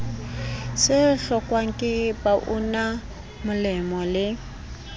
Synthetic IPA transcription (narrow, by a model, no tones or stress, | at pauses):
sɪɬɔkʼwaŋ̩kʼɪpʼaʔʊna | mʊlɛmɔlɪ